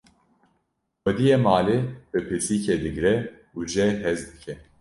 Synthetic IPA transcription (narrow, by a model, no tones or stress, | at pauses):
xɛd̪ijemaːlib̥ɨpʰɨɾsiːcʰed̪ɨɡɾɛ | ud͡ʒɛɦɛzd̪ɨkʰɛ